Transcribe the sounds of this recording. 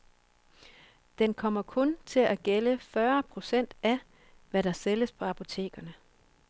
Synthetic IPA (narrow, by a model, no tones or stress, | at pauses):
d̥enkʰɒ̽m̰ɐkʰɔ̽nt͡sʰe̝læɡ̥eləfɶɐpʰʁo̝sen̰d̥æ | ʋæɾɑ̈seləspʰɒ̽ɑpʰo̝t͡sʰe̝̰ːɡ̥ɐnə